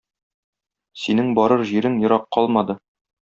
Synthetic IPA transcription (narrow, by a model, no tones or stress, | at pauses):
sinɘŋbɒɾɤɾʑiɾɘŋjŏɾɑqːɒlˠmɑd̪ɤ